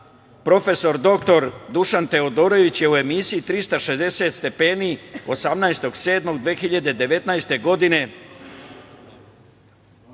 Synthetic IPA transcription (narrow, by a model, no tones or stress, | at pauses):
pɾo̞fe̞so̞ɾd̪o̞k̚t̪o̞ɾd̪uʃant̪e̞o̞d̪o̞ɾo̞ʋit͡ɕje̞ue̞misiit̪ɾist̪aʃezd̪e̞se̞t̪st̪e̞peːnio̞samnaest̪o̞ɡse̞ːd̪mo̞ɡd̪ʋeːxiʎad̪e̞d̪e̞ʋe̞t̪najst̪e̞ɡo̞d̪ine̞